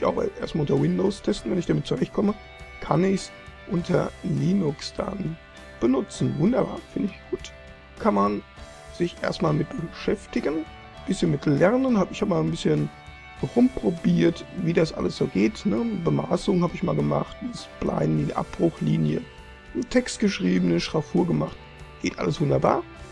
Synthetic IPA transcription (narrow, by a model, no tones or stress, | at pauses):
ɪça̰ʊxʔeːɐstmaːʊntɐwɪndoʊːstʰɛstn̩vɛnɪçd̥amɪt̚t͡suʁɛçt̚kʰɔmə | kʰa̰nɪçs | ʔʊntʰɐliːnʊksd̥a̰n | b̥ənʊt͡sn̩vʊndɐba̰ːɐfɪndɪɪçɡ̥uːt | kʰanman | z̥ɪçʔḛːɐstmaːlmɪt̚b̥əʃɛftɪɡən | b̥ɪsçənmɪtlɛɐnənhaːbɪçhaːbmaːlnbɪsçən | ʁʊmpʁ̥obiːɐtviːdasʔa̰ləsz̥oːɡeːtnəbəma̰ːsʊŋhaːbɪçmaːlɡəma̰χtasb̥lʔa̰ɪnniʔa̰p̚b̥ʁʊxliːnjə̰ | n̩tʰɛkstɡ̥əʃʁ̥iːbənəʃʁ̥afuːɐɡəmaχt | ɡ̥eːtʔa̰ləsv̥ʊndɐba̰ːɐ